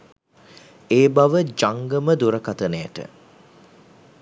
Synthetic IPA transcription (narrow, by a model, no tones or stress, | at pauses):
eːbaʋəd͡ʒaŋɡəməd̪uɾəkat̪ənejə̰ʈə̰